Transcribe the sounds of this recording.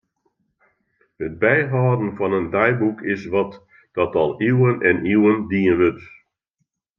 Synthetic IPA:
həd̚bɛjɦaːdn̩fɔnəndajbukʰɪsʋɔt | d̥ɔtɔlˠiwənɛniwəndiənʋøt

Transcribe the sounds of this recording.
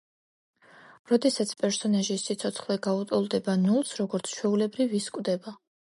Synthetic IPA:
ɾɔd̪ɛsat̪sʰpʼɛɾsɔnaʒisːit̪sʰɔt̪sʰχlɛɡaut̪ʼɔlˠd̪ɛbanulˠsɾɔɡɔɾt̪sʰt͡ʃʰwɛulɛbɾiviskʼwvd̪ɛba

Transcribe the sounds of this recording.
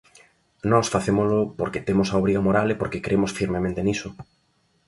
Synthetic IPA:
nɔsfaθemolʊpoɾket̪emʊsaoβɾiɣamoɾalepoɾkekɾʔemosfiɾmemẽnt̪enisʊ

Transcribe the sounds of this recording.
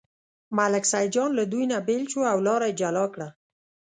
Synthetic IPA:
malaksajd͡ʒɑnlad̪ujnabelʃoawlɑɾajed͡ʒalɑkɽa

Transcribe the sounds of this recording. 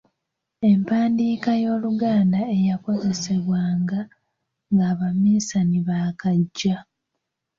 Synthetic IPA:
e̞mpaːndiːkajo̞ːluɡaːndae̞jako̞ze̞se̞βwaːŋɡa | ŋɡaːβamiːsaniβakaɟːa

